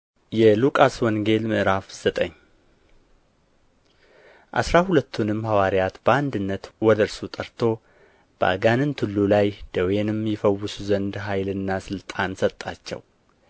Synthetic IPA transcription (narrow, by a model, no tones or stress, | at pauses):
jɛlukʼaswɔŋɡe̞lmɨʔɾafz̥ət̪ʼəɲː | ʔa̰sɾahulət̪ʰːunɨmːhawaɾjat̪bəand̪ɨnːət̪wɔd̪əɾsut̪ʼəɾt̪ʰo̞ | b̥əa̰ɡanɨnt̪ʰɨlːulajd̪̥əwenɨmjɛfəwːɨsuzənd̪ɦajlɨnːasɨlt̪ʼansət̪ʼːa̰t͡ʃːɛ̰w